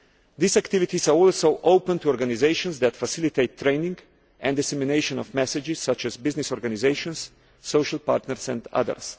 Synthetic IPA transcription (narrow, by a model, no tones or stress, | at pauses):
d̪iːzakt̪ɪvit̪izaɾɔlˠsoʊʔoʊpə̃nt̪uɔɾɡanizeɪʃɔ̃nsðæt̪fasɪlit̪eɪt̪ʰːɾẽɪnĩŋɡ | ʔɛ̃nd̪ɪsɛmineɪʃɔ̃nɔvmɛsɪd͡ʒɪssat͡ʃɛzbɪznɪsɔɾɡanizeɪʃɔ̃nsː | oʊʃalˠpaɾt̪nəɾsɛ̰̃nd̪a̰ðə̰ɾs